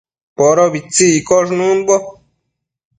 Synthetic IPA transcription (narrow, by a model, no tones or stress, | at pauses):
poɾoβit͡siikoʐnũnbo